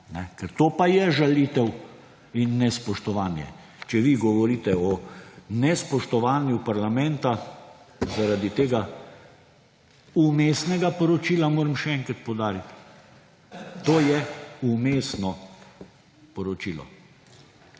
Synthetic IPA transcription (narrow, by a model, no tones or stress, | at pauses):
nɛkɛɾt̪oːpajɛʒalit̪ɛw | inːɛspɔʃt̪ɔʋaːnjɛ̰ | t͡ʃɛʋiɡɔʋɔɾiːt̪ɛɔnɛspɔʃt̪ɔʋaːnjupaɾlamɛ̃nt̪a | zaɾad̪it̪eːɡa | umeːsnɛɡapɔɾɔt͡ʃiːlamoːɾəmʃɛɛŋkɾat̪̚pɔwd̪aːɾit̪ | t̪oːjɛumeːsnɔ | pɔɾɔt͡ʃiːlɔ̰